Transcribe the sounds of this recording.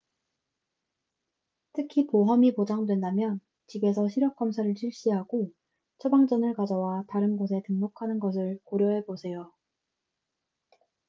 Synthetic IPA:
tʰɯkʰipoɦʌmipod͡ʑaŋdwe̞ndamjʌn | t͡ɕibe̞sʰʌɕʰiɾjʌk̚k͈ʌmsʰaɾɯɭɕʰiɭɕ͈iɦaɡo | t͡ɕʰʌbaŋd͡ʑʌnɯɭkad͡ʑʌwataɾɯnɡosʰe̞tɯŋmokʰanɯnɡʌs̬ʰɯɭkoɾjʌɦe̞bosʰe̞jo

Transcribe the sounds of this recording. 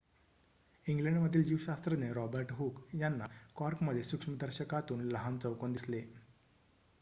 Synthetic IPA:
iŋɡleɳɖməd̪ʱːiːld͡ʑiʋɕast̪ɾəneɾɔbəɾʈɦukjanːa̰kɔɾkməd̪ʱjesukʂmid̪əɾɕəkat̪uːnləɦant͡səwkond̪isle

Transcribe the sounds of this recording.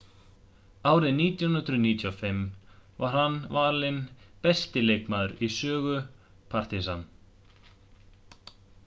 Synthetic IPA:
aːwɾɪðniːt̪jannt̪ɾʏniːt̪ʰjawfɪmvaɾ̥hanːvaːlɪnpɛst̪ɪleːjkmaːðʏɾisœːɣʏ | pʰar̥t̪isan

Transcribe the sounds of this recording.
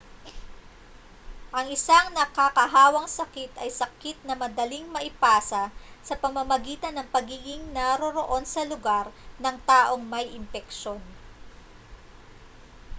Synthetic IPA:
ʔɐŋɪsaŋnɐkakɐɦaːwɐŋsɐkɪt̪ɐjsɐkɪt̪̚nɐmɐd̪ɐliŋmɐʔɪpaːsɐsɐpɐmɐmɐɡiːt̪ɐnːɐŋpɐɡiːɡɪŋnɐɾoɾo̞ʔo̞nsɐlʊɡaɾnɐŋt̪aːʔo̞ŋmɐjʔɪmpɛkʃo̞n

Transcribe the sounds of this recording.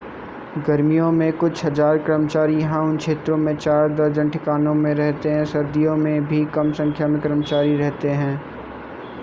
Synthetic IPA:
ɡɐɾmijõmẽkʊt͡ʃʰɦɐd͡ʒaːɾkɾəmət͡ʃaːɾijɦãʊnkʃʰeːt̪ɾõmẽt͡ʃaːɾd̪ɐɾd͡ʒə̃ɳʈʰɪkaːnõmẽɾɛɦt̪eɦɛ̃ːsɐɾd̪ʱijõmẽbʱikɐmsɐ̃ŋkʰjamẽkɾəmət͡ʃaːɾiɾɛɦt̪eɦɛ̃ː

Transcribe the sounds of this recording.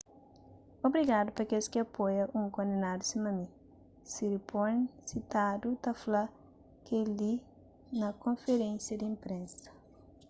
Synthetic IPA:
obɾiɡad̪upɐkelskɪɐpojɐʔũŋkõnd̪enad̪usimɐmi | siɾiponsit̪ad̪ut̪ɐfla | keli | nɐkõnfeɾẽnsjɐd̪ɪĩmpɾẽnsɐ̥

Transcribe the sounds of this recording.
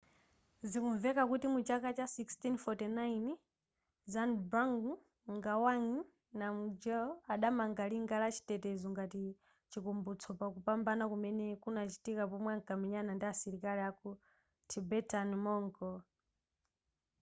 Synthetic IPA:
zikuɱvɛkakutimut͡ʃakat͡ʃasikstinfɔtɛnain | zanbɾaŋɡu | ŋɡawaŋi | namud͡ʒɛɔaɗamaŋɡaliŋɡalat͡ʃʰi̥tɛtɛzɔŋɡati | t͡ʃikumbut͡sʰɔpakupambanakumɛnɛkunat͡ʃi̥tikapɔmwɛaŋkamɛɲanandiasiɾikaliaku | tʰibɛtʰanmɔŋkɔ

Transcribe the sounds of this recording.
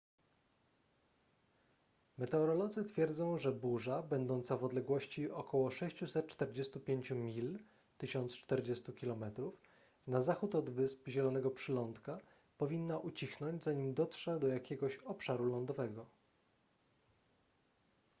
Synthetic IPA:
mɛt̪ɛɔɾɔlɔd̪zɘt̪fʲjɛɾd̪zɔ̃w̃ʐɛbuʐabɛnd̪ɔnt̪savɔd̪lɛɡwɔɕt͡ɕiɔkʰɔwɔʂɛɕt͡ɕusɛt̪̚t͡ʂt̪ɛɾd͡ʑest̪upʲjeɲt͡ɕumʲil | t̪ɘɕɔnt̪st͡ʂt̪ɛɾd͡ʑɛst̪ukʲilɔmɛt̪ɾuf | nazaxut̪ɔd̪vɘspʑɛlɔnɛɡɔpʂɘlɔnt̪ka | pɔvʲinːaʔut͡ɕixnɔɲd͡ʑzaɲimd̪ɔtʂɛd̪ɔjakʲɛɡɔɕɔpʂaɾulɔnd̪ɔvɛɡɔ

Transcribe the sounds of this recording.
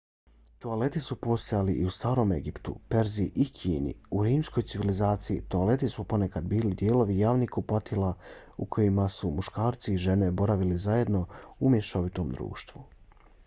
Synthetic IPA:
t̪oale̞t̪isupo̞st̪jaliʔiust̪aːɾo̞ːme̞̰ɡipt̪ṵpe̞ɾziʔikʰḭːnḭuɾiːmsko̞jt̪siʋilizaːt̪sijḭt̪oale̞t̪isupo̞nekad̪biːlid̪jeːlo̞ʋijaːʋnikupat̪ʰilˠa | ukʰo̞jimasumuʃkaːɾt̪siːʒe̞ne̞bo̞ɾaʋilizaje̞d̪no̞umjeʃoʋit̪o̞md̪ɾṵːʃt̪ʋu

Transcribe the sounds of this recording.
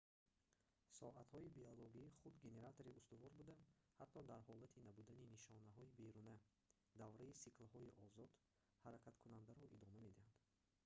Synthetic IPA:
sɔ̰ʔat̪hɔibiɔloɡiχud̪ɡe̞ne̞ɾat̪ʰoɾiust̪uvɔɾbud̪amhat̪ʰːɔd̪aɾhɔlat̪ʰinabud̪aniniʃɔnaɦɔibeɾunæ | d̪avɾaisiklhɔiʔɔzɔd̪ | haɾakʰat̪kʰunand̪aɾɔʔid̪ɔmame̞d̪ihand̪

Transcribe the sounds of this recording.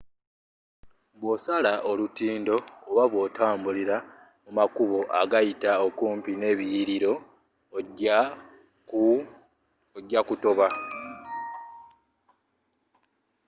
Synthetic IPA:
βwo̞salaʔolutiːndo̞ːβaβwo̞ːtaːmbuliɾa | mumakuβo̞ʔaɡajitaokuːmpine̞ːβijiɾiɾo̞ | oɟːakuto̞βa

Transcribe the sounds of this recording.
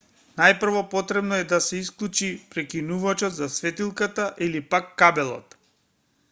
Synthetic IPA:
najpr̩vɔpɔt̪ɾɛbnɔɛd̪asɛisklˠut͡ʃipɾɛkinuvat͡ʃɔdt̪zasvɛt̪ilˠkat̪aʔilipakːabɛlˠɔ̰t̪

